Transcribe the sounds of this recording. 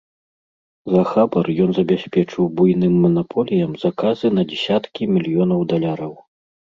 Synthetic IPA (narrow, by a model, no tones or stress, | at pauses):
zɐxabɐrjɔnzɐbʲasʲpʲɛt͡ʂɨwbujnɨmːɐnapʰɔlʲijɐmz̥akazɨnɐd͡zʲɛsʲat̪kʲimʲilʲijɔnɐwd̪alʲaɾɐw